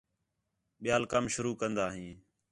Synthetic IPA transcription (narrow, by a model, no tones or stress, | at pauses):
ɓɪjaːlkəmʃʊɾuːkənd̪aːɦĩː